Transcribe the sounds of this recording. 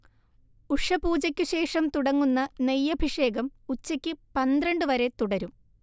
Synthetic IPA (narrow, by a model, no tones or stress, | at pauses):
uʂɐbuːd͡ʑɐkʲːɨɕe̞ːʂɐmt̪uɽɐŋːunːɐnejːɐbʱiʂe̞ːɡɐmut͡ɕːɐkʲːɨpɐnd̪rɐɳɖɨʋɐɾe̞t̪uɽɐɾum